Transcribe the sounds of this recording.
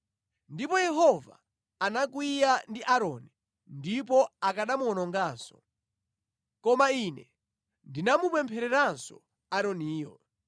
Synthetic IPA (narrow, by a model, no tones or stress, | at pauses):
ndipɔjɛɦɔva̰ː | nak̬wijandiʔaɾɔni | ndip̬ɔakaɗamuɔnɔŋɡaːnsɔ̥ | kɔmainɛ | ndinamupɛmpʰɛɾɛɾansɔ̰ | aɾɔniːjɔ